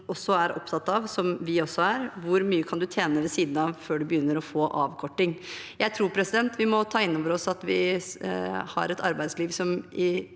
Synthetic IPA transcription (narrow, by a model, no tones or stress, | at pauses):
ɔsːɔæɾʔɔ̰pt̪ʰɑt̪ːɑʋsɔmʋɪɔsːɔæɾʋʊɾmyːəkʰɑnd̪ʉt̪ʰjeːnəʋɛsiːd̪n̩ɑʋføːɖʉbəjʏnːəɾɔfoːʔɑ̰ːʋkʰɔʈːɪŋjæɪt̪ʰɾuːɾpʰɾɛsɪd̪ɛnt̪ʰʋɪmɔt̪ʰɑːɪnːɔːʋəɾɔsɑt̪ʋɪ | hɑ̰ɾɛt̪ʰɑ̰ɾbæɪd̪sliːʋsɔmɪ